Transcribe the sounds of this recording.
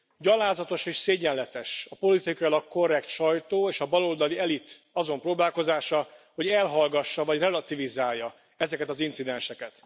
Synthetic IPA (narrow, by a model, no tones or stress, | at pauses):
ɟɒlaːzɒt̪o̞ʃeːʃseːɟɛnlɛt̪ɛʃɒpo̞lit̪ikɒjilɒkːo̞rːɛkt̪ʃɒjt̪oːeːʃɒbɒlo̞ld̪ɒliɛlit̪ | ɒzo̞mproːbaːlko̞zaːʃɒho̞ɟɛlɦɒlɡɒʃːɒvɒɟrɛlɒt̪ivizaːjːɒ | ɛzɛkɛt̪ɒzinsid̪ɛnʃɛkɛt̪